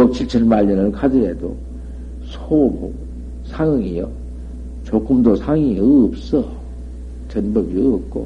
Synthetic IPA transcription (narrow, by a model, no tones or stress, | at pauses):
ok̚t͡ɕʰiɭt͡ɕʰɯnmaʎːʌnɯɭkʰadɯɾedo̰ | sʰomo | sʰaŋɯŋijʌ̰ | t͡ɕok͈ɯmdosʰaŋiiɯːp̚s͈ʌ | t͡ɕʌnbɯbiɯːp̚k͈o̰